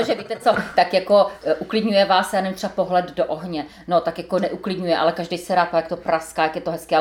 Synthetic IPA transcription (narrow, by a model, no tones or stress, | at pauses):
oʒɛviːt̪ɛt͡sot̪akjakoʔuklɪdɲujɛvaːsjaːnɛmt̪r̥ɛbapoɦlɛddoʔoɦɲɛ | not̪akjakonɛʔuklɪdɲujɛʔa̰lɛkaʒdɛjsɛɾaːt̪ajak̚t̪opɾaskaːjakjɛt̪oɦɛskɪːʔa